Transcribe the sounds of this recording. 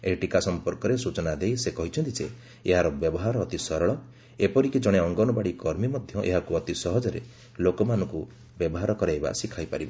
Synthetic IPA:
eʈikasɔmpɔɾkɔɾesut͡ʃɔnad̪ejsekɔɦit͡ʃʰɔnt̪id͡ʒe | eɦaɾɔbjɔbɔɦaɾɔːt̪isɔɾɔɭɔ | epɔɾikid͡ʒɔɽ̃eɔŋɡɔnɔbaɽikɔɾmimɔd̪ʱjɔʔeɦakuɔt̪isɔɦɔd͡ʒɔɾḛ | lokɔmanɔ̃ŋku | bjɔbɔɦaɾɔkɔɾajba̰sikʰajpaɾibɔ̰

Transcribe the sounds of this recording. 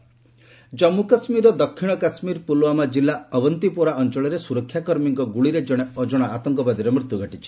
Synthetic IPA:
d͡ʒɔmːukasmiɾɔd̪ɔkʰːiɽ̃ɔkasmiɾpuloamad͡ʒilːaɔbɔnt̪ipoɾaɔnt͡ʃɔɭɔɾesuɾɔkʰːjakɔɾmiŋkɔɡuɭiɾed͡ʒɔɽ̃eɔd͡ʒɔɽ̃aat̪ɔŋkɔbad̪iɾemɾit̪juɡʱɔʈit͡ʃʰi̥

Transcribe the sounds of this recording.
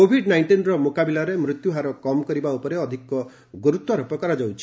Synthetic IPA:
obʱiɖnajɳʈinɾɔmokabilaɾemɾut̪juɦaɾɔkɔmɔkɔɾibaupɔɾeɔd̪ʱikɔ | ɡoɾut̪waɾɔpɔkɔɾad͡ʒawt͡ʃʰi̥

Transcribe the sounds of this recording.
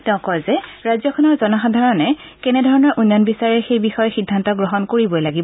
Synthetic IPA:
tɛʊ̃kɔjzɛɹajzjɔkʰɔnɔɹzɔnɔxadʱaɹɔnɛ | kɛnɛdʱɔɹɔnɔɹʔunːanbisaɹɛxejbixɔjxidʱːantɔɡɹɔɦɔnkoɹibɔjlaɡib

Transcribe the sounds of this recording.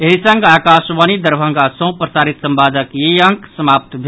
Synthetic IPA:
eɦisə̃ŋɡaːkasʋanid̪əɾbʱə̃ŋɡasə̃w̃pɾəsaɾit̪sə̃mbad̪əkjeə̃ŋksəmap̚t̪bʱe

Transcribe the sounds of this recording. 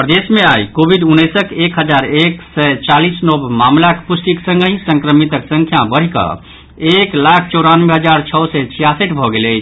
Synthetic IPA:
pɾəd̪esmẽajkobʱiɖunːɛsəkekɦəd͡ʒaɾeksɛt͡ʃalisnobmamlakpusʈ̪iksə̃ŋɡɦĩsə̃ŋkɾəmit̪əksə̃ŋkʰjabəɽ̤ikə̰ | eklakʰt͡ʃɔɾanmeɦəd͡ʒaɾt͡ʃʰɔsɛt͡ʃʰijasəʈbʱɔɡelɛt͡ʃʰ

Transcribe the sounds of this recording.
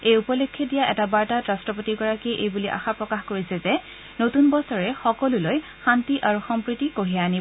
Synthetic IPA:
ejupɔlokʰːɔdijaʔɛtabaɹtatɹastɹɔpotiɡɔɹakiʔejbuliʔa̰xapɹɔkaxkoɹisɛzɛ | notunbɔsɔɹɛxɔkɔlʊloj | xantiʔaɹuxɔmpɹitikoɦijaːni

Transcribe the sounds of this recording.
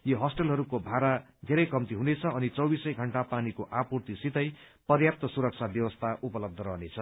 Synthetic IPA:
joɦʌsʈʌlɦʌɾukobʱaɾa | d̪ʱeɾʌjkʌmt̪iɦunet͡sʰʌːnit͡sʌwbisʌjɡʱʌɳʈapanikoʔapurt̪isit̪ʌj | pʌrjap̚t̪ʌsuɾʌk̚t͡sʰabjʌwʌst̪ʰaʔupʌlʌb̚d̪ʱʌɾʌɦnet͡sʰʌ

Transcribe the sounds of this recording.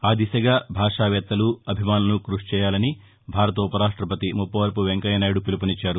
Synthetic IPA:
aːd̪isɐɡaːbʱaːʂaːʋɛːt̪ːɐluɐbʱimaːnɐnukɾuʂt͡ʃɛːjaːlɐni | bʱaːɾɐt̪ɐupɐɾaːʂʈɾɐpɐt̪imupːɐʋɐɾpuʋeŋkɐjɐnaːjɽupilupɐnit͡ʃːaːɾu

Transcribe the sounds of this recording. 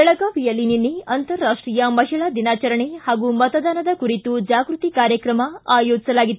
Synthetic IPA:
ɛɭɐɡaːʋijɐlininːiɐnt̪ɐɾːaːʂʈɾiːjɐmɐʃɛɭɐd̪inaːt͡ʃɐɾɐɳehaːɡumɐt̪ɐd̪aːnɐd̪ɐkuɾit̪ud͡ʒaːɡɾut̪ikaːɾjɐkɾɐmɐaːjoːd͡ʒisɐlaːɡit̪ːu

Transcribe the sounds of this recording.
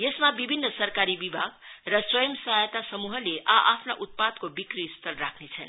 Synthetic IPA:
jesmabibʱinːʌsʌrkaɾibibʱaɡrʌswʌjʌmsʌɦajt̪asʌmuɦʌleʔaʔapʰnaʔut̪̚pad̪̚kobikrist̪ʰʌlrakʰnet͡sʰʌn

